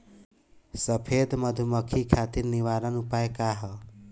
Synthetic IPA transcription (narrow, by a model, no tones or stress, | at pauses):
səpʰed̪məd̪ʱuməkʰikʰat̪iɾniʋaɾənupaekaɦə